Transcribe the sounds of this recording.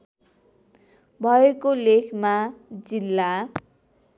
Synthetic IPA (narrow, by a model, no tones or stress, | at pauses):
bʱʌekolekʰmad͡zilːa